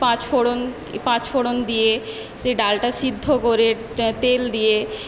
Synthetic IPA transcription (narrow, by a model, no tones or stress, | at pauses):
pãt͡ɕfoɽon | pãt͡ɕfʰoɽond̪ije | seɖalʈasid̪ʱːokoɾe | t̪eld̪ije